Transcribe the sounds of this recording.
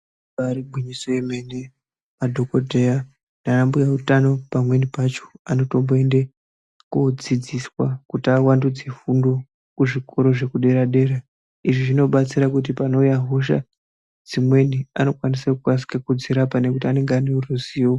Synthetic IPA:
aɾibʱwiɲisojeme̞ne̞ | madʱo̞kodʱeja | nanambujautano̞pamwe̞nipat͡ʃo̥ano̞to̞mboe̞nde | kod͡zid͡ziswakutiawandud͡ze̞fundo̞ | kuʐiko̞ɾo̞ʐe̞kuɗe̞ɾaɗe̞ɾa | iʐiʐino̞ɓat͡siɾakut̬ipano̞ujaɦoʃa̰ | d͡zimwe̞niano̞kwanisakukwas̬i̥kakud͡ziɾapane̞kutiane̞ŋɡeaneuruziwo

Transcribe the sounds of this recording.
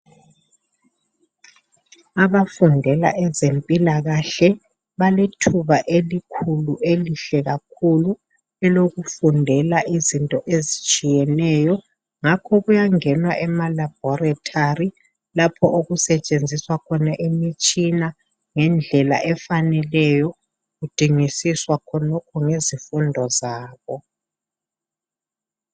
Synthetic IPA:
aβafundʱɛla̰ʔɛzempʼilaɣaɬɛ | βaletʰuβaʔelikʰuluʔeliɬɛɣakʰulu | ɛloɣufundʱɛlaʔizintʼɔʔezit͡ʃʼijɛnɛːjɔ | ŋakʰɔɣujaŋɛnwaʔɛmalab̥ʱɔɾatʰari | lapʰɔʔoɣusɛt͡ʃʼend͡zʱiswakʰɔnaʔemit͡ʃʼina | ŋɛnd͡ɮʱɛla̰ʔɛfanɛlɛjɔ | ɣud̥ʱiŋisiswakʰɔnɔkʰɔŋezifundʱɔzaːβɔ

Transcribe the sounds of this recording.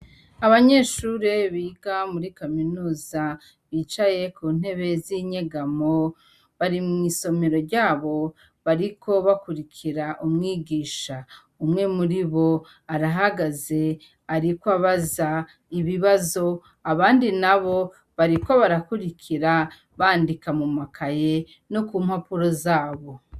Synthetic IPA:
aβaɲe̞ːʃuɾeβiːɡamuɾikaminuːza | βiːt͡ʃaje̞kuːn̥e̞βe̞ziɲeɡamo | βaɾimŋiːso̞me̞ɾo̞ɾɟaːβo̞ | βaɾikʰo̞βakuɾikʰiɾaʔumŋiːɡiːʃa | umŋe̞muɾiβo̞ | aɾaɦaɡaze̞ | aɾikwaβaza | iβiβazo̞ | aβaːndinaβo̞ | βaɾiko̞βaɾakuɾikʰiɾa | βaːndikamumakʰaje̞ | no̞kuːmhapuɾo̞zaːβo̞

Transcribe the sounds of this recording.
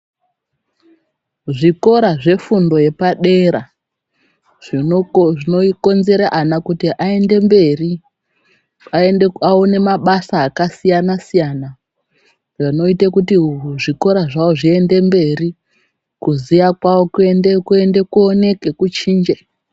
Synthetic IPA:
ʐiko̞ɾaʐe̞fundo̞je̞paɗe̞ɾa | ʐʐinoiko̞nze̞ɾaʔanakutiʔae̞nde̞mbe̞ri | aeeaone̞maɓasaːkasijanasijana | ʐano̞itakutiʐiko̞ɾaʐaoʐie̞nde̞mbe̞ri | kuzijakwaokuendekue̞nde̞kuone̞ke̞kut͡ʃiːnd͡ʒe

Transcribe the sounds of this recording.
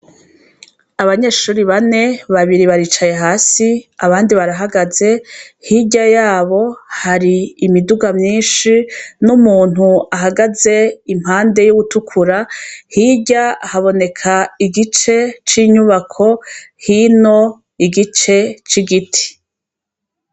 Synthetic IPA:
aβaɲe̞ːʃuːɾiβane̞βaβiɾiβaɾiːt͡ʃaje̞ɦaːsiaβaːndiβaɾaɦaɡaze̞hiɟajaːβo̞haɾiːmiduɡamɲiːnʃinumuːnhuaɦaɡaze̞imhaːnde̞juɡutukʰuɾahiːɟahaβo̞ne̞kʰaiɡit͡ʃe̞t͡ʃiːɲuβakʰo̞hino̞ | iɡit͡ʃe̞t͡ʃiɡitʰi̥

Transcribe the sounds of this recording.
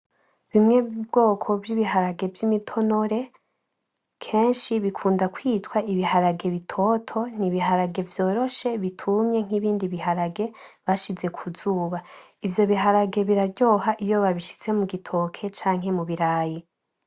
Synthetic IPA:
βimŋebɡo̞ːkʰo̞bjiβiɦaɾaɡe̞vjimitʰo̞no̞ɾe̞ | kʰe̞ːnʃiβikʰuːndakwiːtwaʔiβihaɾaɡe̞βitʰo̞tʰo̞niβiɦaɾaɡe̞vjo̞ːɾo̞ʃe̞βitʰumɲe̞ŋ̥iβiːndiβiɦaɾaɡe̞βaʃize̞kʰuzuːβa | ivjo̞βiɦaɾaɡe̞βiɾabɟo̞ːɦaʔijo̞βaβiʃi̥t͡se̞muɡitʰo̞kʰe̞t͡ʃaːŋ̥ɦe̞muβiɾaːji

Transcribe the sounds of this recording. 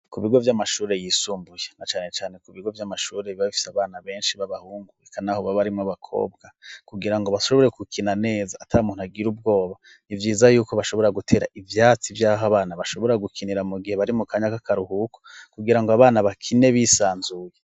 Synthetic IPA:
kuβiɡo̞vjamaʃuːɾe̞jiːsuːmbujenat͡ʃaːne̞t͡ʃaːne̞kuβiɡo̞vjamaʃuːɾe̞βiβaβifi̥seaβaːnaβe̞ːnʃiβaβahuːŋɡuekʰanahoβaβaɾimŋaβakʰo̞̰ːb̚ɡakuɡiɾaŋɡo̞βaʃo̞βo̞ɾe̞kukʰinane̞ːzaːtʰaumuːn̥uhaɡiɾub̚ɡo̞ːβa | ivjiːzajuːko̞βaʃo̞βo̞ɾaɡutʰe̞ːɾa̰ʔivjaːt͡sivjaːɦaβaːnaβaʃo̞βo̞ɾaɡukʰiniɾamuɡiheβaɾimukaːɲakakʰaɾuhuko̥kuɡiɾaŋɡoaβaːnaβakʰine̞βisaːnzuje

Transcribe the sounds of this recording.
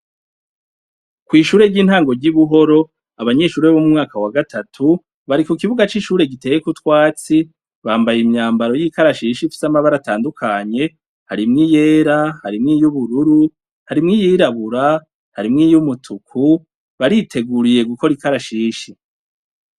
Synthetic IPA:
kwiːʃuːɾe̞ɾɟiːnhaːŋɡo̞ɟiβuɦo̞ɾo̞ | aβaɲe̞ʃuːɾeβomumŋaːkawaɡatʰatʰu | βaɾikukiβuɡat͡ʃiʃuːɾe̞ɡite̞jekutwaːt͡si | βaːmbajimɲaːmbaɾo̞jikaɾaʃiːʃifi̥samaβaɾataːndukʰaɲe̞ | haɾimŋije̞ːɾahaɾimŋijuβuɾuɾu | haɾimŋiːjiːɾaβuɾa | haɾimŋijumutʰukʰu | βaɾitʰe̞ɡuɾije̞ɡuko̞ɾikaɾaʃiːʃi

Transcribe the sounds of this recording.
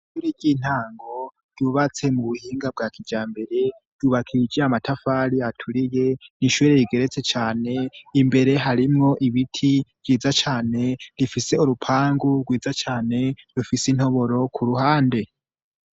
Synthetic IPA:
ʃuɾiɟiːn̥haːŋɡo̞ | d̥uβat͡se̞muβuhiːŋɡab̚ɡaːkʰid͡ʒaːmbe̞ɾe̞ | d̥uβakʰid͡ʒeamatafaːɾiatʰuɾije̞niʃuɾeɾiɡe̞ɾe̞t͡se̞t͡ʃaːne̞imbe̞ɾe̞ɦaɾimŋo̞ʔiβitʰiv̥ɟiːzat͡ʃaːne̞ɾifise̞uɾupʰaːŋɡuɡwiːd͡zat͡ʃaːne̞ɾufisin̥ho̞βo̞ɾo̞kʰuɾuhaːnde̞

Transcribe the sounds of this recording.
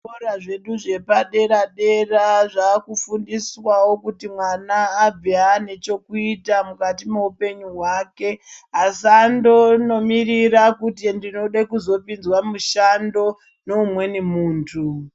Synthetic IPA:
oraʐe̞ɗuʐe̞paɗe̞ɾaɗe̞raʐaːkufundiswawo̞kutimwanaːb͡viane̞t͡ʃo̞kuitamukat̬imeupe̞ɲuɦwake̞asando̞no̞miɾiɾakutindino̞ɗakuzo̞pinzwamuʃando̞ | no̞umwe̞nimuːntʰu

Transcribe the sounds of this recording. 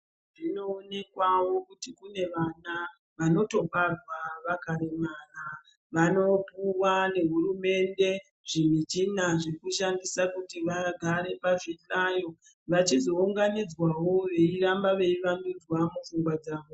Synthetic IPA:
ʐino̞ːne̞kwawo̞kutikune̞ʋana | ʋano̞to̞parwaʋakaɾemana | ʋano̞puwane̞ɦuɾume̞nde̞ | ʐ̥emit͡ʃinaʐekuʃandisakutiʋaɡʱaɾe̞paʐiɬajo̞ | ʋat͡ʃizo̞uŋɡanid͡zwawo̞ʋe̞iɾambaʋe̞iʋamid͡zwamufuŋɡwad͡zaːʋo

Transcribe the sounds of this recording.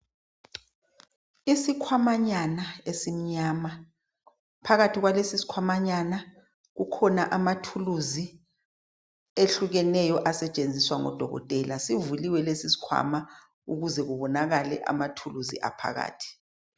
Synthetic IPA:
isikʰwamaɲanaesim̩ɲaːma | pʰaɣatʰiɣwalesisi̥kʰwamaɲana | ɣukʰɔnaʔamatʰuluzi | eɬuɣɛnɛjɔʔasɛt͡ʃʼend͡zʱiswaŋɔ̰d̥ʱɔɣɔ̰tʼɛlasivuliwɛlesisi̥kʰwa̰ma | uɣuzɛɣuβɔnaɣalɛ̰ʔa̰matʰuluzḭʔa̰pʰa̰ɣa̰ːtʰi̥

